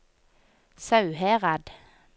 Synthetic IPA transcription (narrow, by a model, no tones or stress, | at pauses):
sɑʉheːʁɑd̪